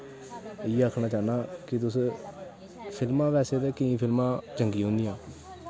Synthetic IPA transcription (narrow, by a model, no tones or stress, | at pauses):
ɪːaːkʰnãːt͡ʃaːnãːkɪt̪̬ʊs | pʰɪlmãːpɛːseːt̪eːkəĩːpʰɪlmãːt͡ʃəŋɡiːɦõːnd̪ijãː